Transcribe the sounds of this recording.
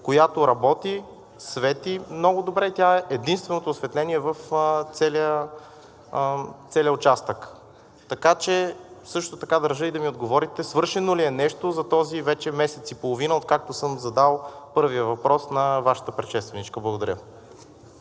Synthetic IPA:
kojat̪oɾɐbɔt̪i | svɛt̪imnɔɡʊd̪obɾɛit̪ʲaɛʔɛd̪inst̪vɛnot̪oːsvɛt̪lɛniɛvəft̪sɛlə | t̪sɛliəot͡ʃast̪ək | t̪ɐkat͡ʃɛsɤʃt̪ot̪ɐkad̪əɾʒɤid̪ɐmiod̪ɡovɔɾit̪ɛsvɤɾʃɛnoliɛnɛʃt̪ozɐt̪ɔzivɛt͡ʃɛmɛsɛt̪sipolˠovinəot̪̚kak̚t̪osɤmzɐd̪alˠpɤɾvijəvɐpɾɔsnɐvaʃɐ̥t̪əpɾɛʃɛst̪vɛnit͡ʃkəblˠɐɡod̪ɐɾʲjə

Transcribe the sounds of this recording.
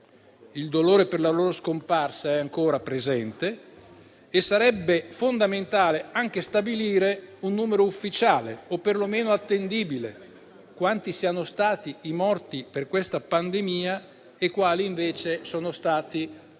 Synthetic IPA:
ild̪oloːɾeperlaloːɾoskomparsaɛaŋkoːɾapɾezɛnt̪eː | sːaɾɛbːefond̪ament̪aːleaŋk̟est̪abiliːɾeunːuːmeɾoufːit͡ʃaːlḛopːerlomeːnoat̪ːend̪iːbile | kwant̪isianost̪aːt̪iimɔrt̪iperkwest̪apand̪emiːa | ekwaːliːɱveːt͡ʃesoːnost̪aːt̪i

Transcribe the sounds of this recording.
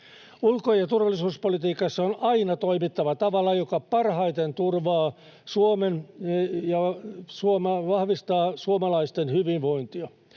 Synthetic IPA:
ulkojɑt̪urʋɑlːˑisuːspolit̪iːkɑsːɑonɑinɑt̪oimit̪ːɑʋɑt̪ɑʋɑlɑjokɑpɑrhɑjt̪ent̪urʋɑː | suomenjɑsuomɑʋɑhʋist̪ɑːsuomɑlɑist̪enhyʋinʋo̞int̪iɑ

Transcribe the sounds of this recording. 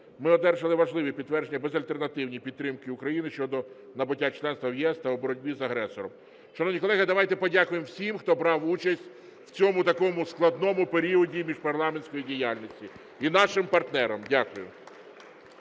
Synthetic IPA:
mɪɔd̪ɛrʒɐlˠɪʋɐʒlˠɪʋipʲit̪t̪ːʋɛrd͡ʒenʲːɐbezɐlʲt̪ernɐt̪ɪwnʲipʲid̪ɾɪmkɪʊkɾɐjinɪʃt͡ʃɔd̪ɔ | nɐbʊtʲːat͡ʃlˠɛnst̪ʋɐwjɛst̪ɐwɔbɔɾɔdʲbʲizɐɦɾɛsɔɾɔm | ʃɛnɔʋnʲikɔlˠɛɦɪd̪ɐʋɑjt̪ɛpɔdʲakʊjemwsʲimxt̪ɔbɾɑwut͡ʃɐsʲtʲ | w̥t͡sʲɔmʊt̪ɐkɔmʊsklˠɐd̪nɔmʊpeɾʲiɔdʲimʲiʒpɐrlˠɑmenʲsʲkɔjidʲijalʲnʲisʲtʲi | inɑʃɪmpɐrt̪nɛɾɐmdʲakʊjʊ

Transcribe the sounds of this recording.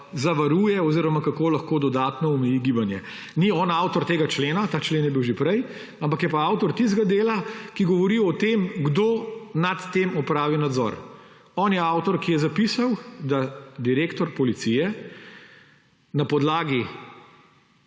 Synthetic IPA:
zaʋaɾujɛɔziɾɔmakakoːlɐxkoːd̪ɔd̪aːt̪nɔɔmɛjiɡibanjɛ̰ | niɔːnawt̪ɔɾt̪eːɡat͡ʃleːnat̪aːt͡ʃleːnjɛbiwʒepɾɛj | ampɐkjɛpaawt̪ɔɾt̪ist̪ɡad̪eːlakiɡɔʋɔɾiɔt̪emɡd̪oːnat̪ːemɔpɾaːʋinad̪zɔ̰ɾ | ɔːnjɛawt̪ɔɾkijɛzapisawd̪ad̪iɾeːkt̪ɔɾpɔlit̪sijɛ | napɔd̪laːɡi

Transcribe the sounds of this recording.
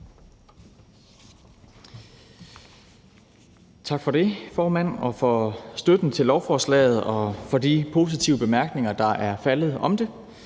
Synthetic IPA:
t͡sʰɑ̈ɡ̥fɒ̽ɾe̝fɒːmæn̰ɒ̽fɒ̽sd̥ød̥n̩t͡sʰe̝lɒʊfɒːslɛ̰ːð̞̩ˠɒ̽fɒ̽dipʰo̝ːs̬it͡sʰiʊəb̥e̝mæɐɡ̥ne̝ŋɐd̥ɑ̈ʔæɐfælð̞̩ˠɒ̽md̥e̝

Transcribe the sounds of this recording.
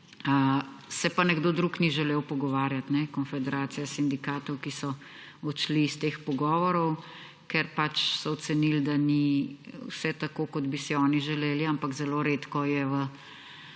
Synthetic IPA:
ə | sɛpanɛɡd̪oːd̪ɾukniʒɛleːwpɔɡɔʋaːɾjat̪nɛkɔnfɛd̪ɛɾaːt̪sijasind̪ikaːt̪ɔwkisɔ | ɔt͡ʃlist̪eːxpɔɡɔːʋɔɾɔw | kɛɾpat͡ʃsɔɔt̪sɛnild̪aniwsɛt̪akokɔd̪bisiɔːniʒɛleːliampakzɛloɾet̪kɔjɛʋə

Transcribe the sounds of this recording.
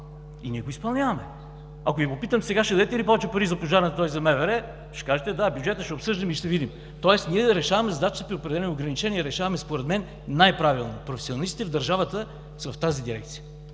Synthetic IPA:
iniɛɡoispɐlˠnʲjavɐmɛ | ɐkojibopit̪əmsɛɡaʃɛd̪ɐd̪ɛt̪ɛilipɔvɛt͡ʃɛpɐɾizɐpoʒaɾnət̪t̪ɔjzɐmɛvɛɾɛ | ʃɛ̥kaʒɛt̪ɛd̪abjud͡ʒɛt̪əʃɛopsɤʒd̪əmiʃt̪ɛvid̪im | t̪ɔɛsniɛɾɛʃavɐmɛzɐd̪at͡ʃt̪əpɾiopɾɛd̪ɛlɛnoʊɡɾɐnit͡ʃɛniɛɾɛʃavɐmɛspoɾɛd̪mɛnː | ajpɾavilˠnopɾofɛ̥sionɐlˠist̪it̪ɛvd̪ɐɾʒavət̪ə | svɐft̪azid̪iɾɛk̚t̪sijə

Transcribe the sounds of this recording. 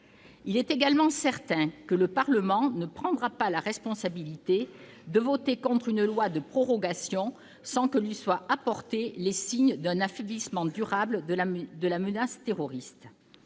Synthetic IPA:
ilɛt̪eɡalmɑ̃sɛʁt̪ɛ̃kələpaʁləmɑ̃nəpχɑ̃d̪ʁapalaʁɛspɔ̃sabilit̪e | d̪əvɔt̪ekɔ̃t̪χynlwad̪əpχɔʁɔɡasjɔ̃ | sɑ̃kəlɥiswaapɔʁt̪elesiɲd̪ɛ̃nafɛblismɑ̃d̪yʁabld̪əlamənast̪eʁɔʁist̪

